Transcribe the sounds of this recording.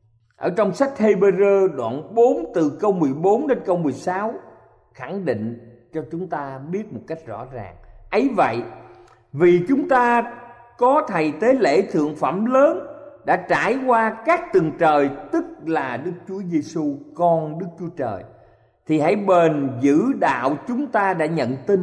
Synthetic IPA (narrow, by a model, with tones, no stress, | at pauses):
ʔəː˧˩t͡ɕɔ˧wŋ͡msa˦˥jk̟̚he˧ɓe˧zəː˧ɗwa̰ː˧˨nɓo˨˦nt̪ɨ˨˩kə˧wmɨ˨˩əjɓo˨˦nɗe˧nkə˧wmɨ˨˩əjsaː˨˦w | xa˧˩ŋɗḭ˧˨ŋ̟ | t͡ɕɔ˧t͡ɕʊ˨˦ŋ͡mt̪aː˧ɓi˦˥ət̚mo˨˩t̚ka˦˥jk̟̚zɔ̰˧˥za̰ː˨˩ŋʔə˨˦jvə̰˧˨j | vi˨˩t͡ɕʊ˨˦ŋ͡mt̪aː˧ | kɔ˨˦t̪ʰə˨˩jt̪e˨˦lḛ˧˩t̪ʰɨ̰˧˨əŋfə˧˩mləː˨˦nɗa̰ː˧˥t͡ɕaː˧˩jkwaː˧kaː˦˥k̚t̪ɨ˨˩ŋt͡ɕəː˨˩jt̪ɨ˦˥k̚laː˨˩ɗɨ˦˥k̚t͡ɕu˨˦əze˧su˧kɔ˧nɗɨ˦˥k̚t͡ɕu˨˦ət͡ɕəː˨˩j | t̪ʰi˨˩ha̰˧˥˩jɓe˨˩nzɨ̰˧˥ɗa̰ː˧˨wt͡ɕʊ˨˦ŋ͡mt̪aː˧ɗa̰ː˧˥ɲə̰˧˨nt̪i˧n